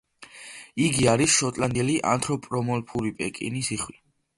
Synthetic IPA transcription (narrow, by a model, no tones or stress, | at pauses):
iɡiaɾisʃɔt̪ʼland̪ɛliʔa̰nt̪ʰɾɔpʼɾɔmɔlpʰuɾipʼɛ̰kʼḭnisiχwi